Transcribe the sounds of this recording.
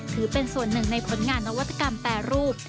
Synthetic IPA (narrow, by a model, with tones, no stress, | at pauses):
t̪ʰɯː˩˦pe˧nsu˨˩ənːɯ˨˩ŋna˧jpʰo˨˩˦nŋaː˧nːa˧wa˦˥t̪ːḁ˧ka˧mpɛː˨˩ɾuː˥˩p̚